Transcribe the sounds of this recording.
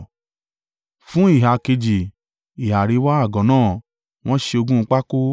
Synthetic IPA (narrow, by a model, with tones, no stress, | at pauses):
fũ˦i˦˨ɦa˨ke˧d͡ʒi˨ | i˨ɦa˨ɾi˨˧˦wa˦a˦˨ɡɔ̃˨˦nãː˦˨ | w̃ɔ̃˦ʃe˧o˧ɡũ˦˧k͡pa˦ko˦